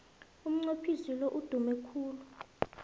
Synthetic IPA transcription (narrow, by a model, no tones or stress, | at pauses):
um̩ŋ͡ǀopʰisiloʔud̥ʱumɛkʰuːlu